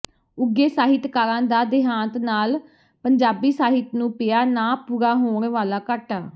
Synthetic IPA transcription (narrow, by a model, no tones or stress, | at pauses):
ʊɡeːsaːɦɪt̪kaːɾãːnd̪aːd̪ɪɦãːnt̪naːl | pəɲd͡ʒaːbiːsaːɦɪt̪nũːpɪjaːnaːpʊɾaːɦoːɳʋaːlaːkəʈaː